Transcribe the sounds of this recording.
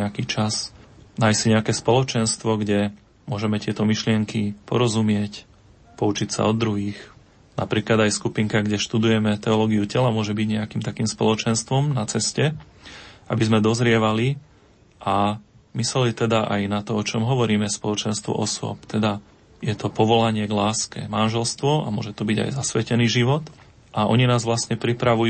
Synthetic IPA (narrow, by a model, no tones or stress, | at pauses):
ɛakiːt͡ʃasnaːjsiɲɛakɛːspɔlɔt͡ʃɛnst̪ʋɔɡɟɛ | mʊɔʒɛmɛt̪ɪɛt̪ɔmiʃlɪɛŋkipɔɾɔzumɪɛc | pɔut͡ʃicsa̰ɔd̪ɾuɦiːx | na̰pɾiːklad̪ajskupiŋkaɡɟɛʃt̪ud̪ujɛmɛt̪ɛɔlɔːɡiucɛlamʊɔʒɛbiɟɲɛakiːmt̪akiːmspɔ̰lɔt͡ʃɛnst̪ʋɔmnat͡sɛscɛ | ʔa̰bizmɛd̪ɔzɾɪɛʋali | ʔamisɛlit̪ɛd̪aʔajnat̪ɔɔt͡ʃɔmɦɔʋɔɾiːmɛspɔlɔt͡ʃɛnst̪ʋɔ̰ʔɔsʊɔ̰pt̪ɛd̪a | jɛt̪ɔpɔʋɔlaɲɪɛɡlaːskɛ̰manʒɛlst̪ʋɔʔa̰mʊɔ̰ʒɛt̪ɔbiɟa̰jzasʋɛcɛniːʒiʋɔt̪ | ʔaʔɔɲinaːzʋlasɲɛpɾipɾaʋuj